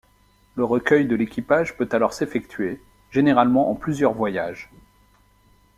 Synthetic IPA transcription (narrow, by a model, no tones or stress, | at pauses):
ləʁəkʲœjd̪əlekʲipaʒpøt̪alɔʁsefɛkt̪ʰɥe | ʒ̥eneʁalmɑ̃ʔɑ̃plyzjœʁvwajaʒ